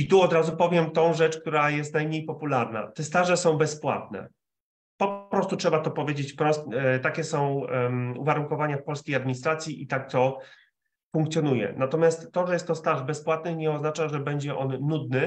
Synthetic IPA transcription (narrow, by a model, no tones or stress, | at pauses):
it̪uɔd̪ɾazupɔvʲjɛmt̪ɔ̃w̃ʐɛt͡ʂk̚t̪uɾajɛst̪najmɲejpɔpulaɾna̰t̪ɛst̪aʐɛsɔ̃w̃bɛspwa̰t̪nɛ̰ | pɔpɾɔst̪utʂɛbat̪ɔpɔvʲjed͡ʑet͡ɕpɾɔst̪t̪akʲɛsɔ̃w̃ṵvaɾuŋkɔvaɲafpɔlskʲijad̪̚mʲiɲist̪ɾat̪sʲjiʔit̪ak̚t̪ɔ | fuŋkt̪sʲjɔnujɛ̰nat̪ɔmʲjast̪ːɔʐɛjɛst̪ːɔst̪aʐbɛspwat̪̚nɘxɲɛɔznat͡ʂaʐɛbɛɲd͡ʑɛʔɔnːud̪nɘ